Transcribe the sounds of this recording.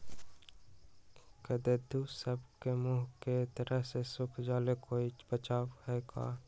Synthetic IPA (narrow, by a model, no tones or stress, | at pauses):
kəd̪eːd̪uːsəbkemuːɦket̪əɾəɦsesʊkʰd͡ʒaːlekoːibət͡ʃaːʋhɛɡa̰ː